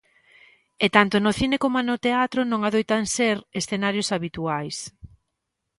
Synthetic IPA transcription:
et̪ant̪onoθinekomoenot̪eat̪ɾonõŋaðojt̪anseɾesθenaɾjosaβit̪uajs

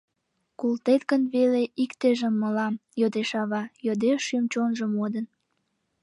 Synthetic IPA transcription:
kult̪et̪ɡənβeleʔikt̪eʒəmːəlɑmjod̪eʃɑβɑjod̪eʃymt͡ɕonʒəmod̪ən

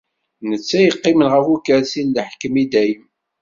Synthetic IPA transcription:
nət͡sːæjəqːɪmənʁəfukæɾsinləħkːəmid̪æjəm

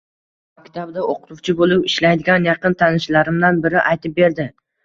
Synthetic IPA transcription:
makʲt̪ʰabd̪aoqʊ̥t̪ʰʊt͡ʃʰɪbolˠɪpɪʃlajd̪ɪɡʲanjɑqɨnt̪ʰanɪʃlaɾɪmd̪anbɪɾɪʔajt̪ɪp̚be̞ɾd̪ɪ

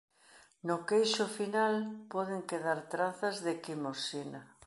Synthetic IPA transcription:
nʊkejʃʊfinalpɔðeŋkeðaɾt̪ɾaθɐzðɪkimosina

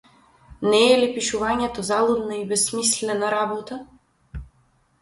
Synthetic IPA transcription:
nɛːlipiʃuvaɲɛt̪ɔzalˠud̪naibɛsmislɛnaɾabɔt̪a

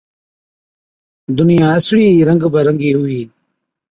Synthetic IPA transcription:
d̪unijãːɐsɽiːɾɐ̃ŋɡbɐɾɐŋɡiːɦuiː

